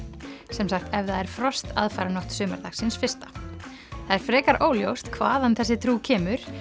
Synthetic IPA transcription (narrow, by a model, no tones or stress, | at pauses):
sɛmsaxt̪ɛvðaɛɾ̥fɾɔst̪ʰa̰ðfajɾanɔht̪sʏːmaɾðaxsɪnsfɪr̥t̪ḁ | θθaðɛɾ̥fɾɛːkaɾʔoːwljowst̪kʰvaːðanθɛsːɪt̪ʰɾuːcʰɛːmʏɾ̥